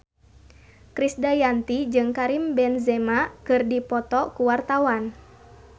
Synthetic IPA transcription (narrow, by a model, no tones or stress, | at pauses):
kɾisdajant̪id͡ʒɨŋkaɾimbɛnzɛmakɨrdipɔt̪ɔkuwart̪awan